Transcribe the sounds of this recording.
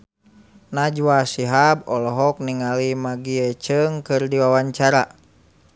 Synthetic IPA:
nad͡ʒwasiɦab̚ɔlɔɦɔk̚niŋalimaɡiɛt͡ʃɨŋkɨrdiwawaɲt͡ʃaɾa

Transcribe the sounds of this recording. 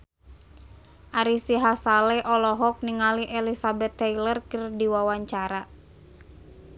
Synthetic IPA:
ʔaɾisiɦasalɛʔɔlɔɦɔk̚niŋaliʔɛlisabɛt̪ːɛilərkərdiwawaɲt͡ʃaɾa

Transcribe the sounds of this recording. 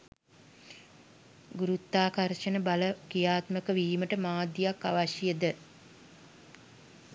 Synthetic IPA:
ɡuɾut̪ːaːkaɾʃənəbaləkijaːt̪məkəʋiːməʈəmaːd̪ijakːa̰ʋaʃijəd̪ə

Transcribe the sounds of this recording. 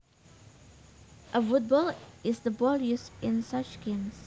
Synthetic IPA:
ʔəfʊt̚bɔlɪzðəbɔlˠjusɪ̃nsʌt͡ʃɡ̥ẽms

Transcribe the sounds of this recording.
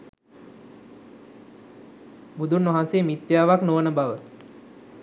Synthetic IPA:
bud̪unːʋaɦanseəmit̪ːjaːʋaknoʋənəbaʋə

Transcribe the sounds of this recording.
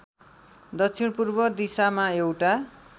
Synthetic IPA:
d̪ʌt͡sʰiɽpurbʌd̪isamaewʈa

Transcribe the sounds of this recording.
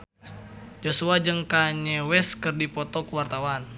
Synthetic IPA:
d͡ʒosuad͡ʒɨŋkaɲɛwɛskɨrdipɔt̪ɔkuwart̪awan

